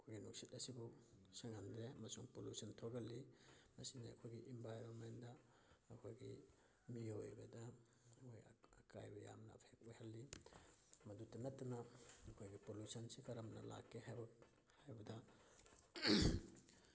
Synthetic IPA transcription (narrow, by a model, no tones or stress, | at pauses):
ɐkʰojɡinuk̚sitɐsibusaŋhandɾeɐmɐsuŋpolusɐntʰoɡɐlːimɐsiniɐ̰kʰojɡiʔimbʱajɾonmendɐː | kʰojɡi | miojbɐ̰dɐ | ojɐka̰jbɐja̰mnɐ̰pʰek̚ojhalːi | mɐdutːɐnatːɐnɐːkʰojɡipolusɐnsikɐɾɐmnɐ̰la̰kːeɦajbɐ | hajbɐdɐ